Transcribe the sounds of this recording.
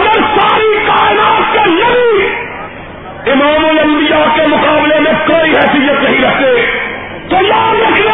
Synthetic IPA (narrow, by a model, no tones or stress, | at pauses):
ɡəɾsaːɾiːkaːɪnaːt̪̚kelɐʋiː | ɪmaːmoːjɐɦuːd̪ijãːkeːmʊkaːblemẽːkoːiːɦɛːsijət̪nɐɦĩːɾɐɦd̪eː | t̪oːjaːnɐk